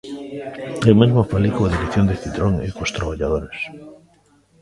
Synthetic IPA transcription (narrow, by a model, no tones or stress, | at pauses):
emezmofalikuaðiɾekθjond̪eθit̪ɾoŋḛkost̪ɾaβaʎaðoɾes